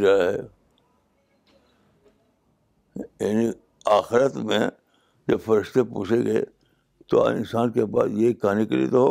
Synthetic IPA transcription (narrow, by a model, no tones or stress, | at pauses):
ɾaaɦɛː | jaːni | aːxɪɾət̪mẽ | d͡ʒɐbfɐɾɪʃt̪epṵːt͡ʃʰeɡḛː | t̪o̰ɪ̰nsaːnkepa̰ːsjekaːnikelḭt̪oɦoː